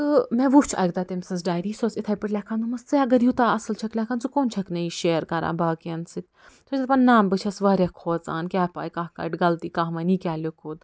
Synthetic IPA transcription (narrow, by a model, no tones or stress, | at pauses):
t̪ɨmɛ̃ʋut͡ʃʰɐ̰ɡ̚d̪aːt̪emsɐns̬ɖaːjɾiːsoːsit̪ʰɐːjpiʈlʲɐkʰãnd̪ɨmɐst͡sɨɐɡɐɾjut̪aːɐsɨlt͡ʃʰɐklʲɐkʰaːnt͡sɨkoːnt͡ʃʰɐknɐiʃeːɾkɐɾa̰ːbaːkɐnsɨt̪̚ʲ | t̪ʰod͡ʒʲɐt̪pɐnnaːmbɨt͡ʃʰɐsʋɐɾʲɐkʰːoːt͡sa̰ːnkʲaːpa̰ːjkaːhkɐ̰ʈɡɐlt̪iːkaːɦmɐnikʲaːlʲokʰuːd̪